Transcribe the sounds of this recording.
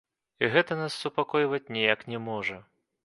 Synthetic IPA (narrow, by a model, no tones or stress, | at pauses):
iɣɛt̪ɐnasːupakɔjvɐt͡sʲnʲɛjaknʲɛmɔʐɐ